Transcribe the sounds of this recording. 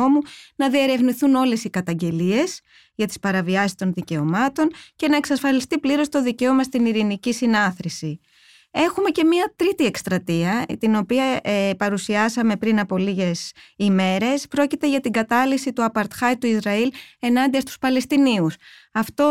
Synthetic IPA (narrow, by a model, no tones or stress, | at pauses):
omunɐðie̞ɾe̞vniθuno̞le̞sikɐt̪ɐɲɟe̞lie̞s | ʝɐt̪i̥spɐɾɐviɐsi̥st̪o̞nðice̞o̞mɐt̪o̞nce̞nɐe̞ksɐsfɐlist̪ipliɾo̞st̪o̞ðice̞o̞mɐst̪iniɾinicisinɐθɾisi | e̞xume̞ce̞miɐt̪ɾit̪ie̞kst̪ɾɐt̪iɐt̪ino̞piɐepɐɾusiɐsɐme̞pɾinɐpo̞liʝe̞sime̞ɾe̞spɾo̞cit̪e̞ʝɐt̪iŋɡɐt̪ɐlisit̪uɐpɐɾt̪xɐjt̪uizɾɐile̞nɐnd̪iɐst̪u̥spɐle̞st̪iniusɐft̪o̞